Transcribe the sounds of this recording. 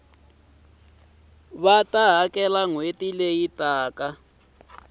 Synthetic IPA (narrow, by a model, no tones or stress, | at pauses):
βataɦakɛlaŋwetilejitʼaːka